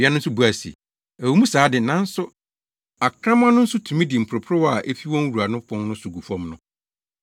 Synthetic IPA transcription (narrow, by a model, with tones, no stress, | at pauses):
a˦nʊ̃˦n̩˦sʊ˦bu˦a˨sḭ˨ | æ˨wu˨˦mũ˦saː˨˦dɪ˨nã˦n̩˦sʊ˦ | a˨kʰɾã˦mã˦nʊ̃˦n̩˦sʊ˦tʰũ˨mĩ˦dɪ˨m̩˨pʰɾʊ˨pʰɾʊ˦wɔ˦a˨ʔe˦fi˦wɔ̃˦n˦wu˨a˨nʊ̃˦pʰɔ̃˦nnʊ̃˦sʊ˨ɡu˨fɔ̃˦mnʊ̃˦